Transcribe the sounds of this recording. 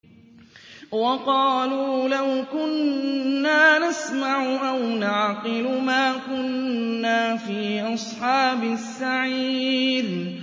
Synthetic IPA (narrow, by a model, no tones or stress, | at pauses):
wɑqɑːluːlawkʊnː | aːnasmaʕʊʔawnaʕqɨlʊmaːkʊnːaːfiːʔɑsˤħɑːbɪsːaʕiːd̪